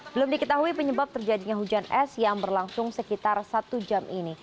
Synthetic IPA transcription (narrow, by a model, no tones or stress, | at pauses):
bəlʊmdikət̪aɦuipəɲəbap̚t̪ərd͡ʒadiɲaɦud͡ʒanɛsjaŋbərlaŋsʊŋsəkit̪arsat̪ud͡ʒamʔini